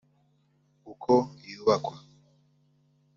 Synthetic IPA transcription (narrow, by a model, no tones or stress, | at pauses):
ukʰɔiuwakwa